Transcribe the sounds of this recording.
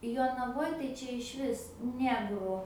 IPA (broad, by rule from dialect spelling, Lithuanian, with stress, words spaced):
joːnɐˈʋoːj tɐɪ ˈt͡ʃʲɛ ɪʃʲˈʋʲɪs ˈnʲæːɡrʊ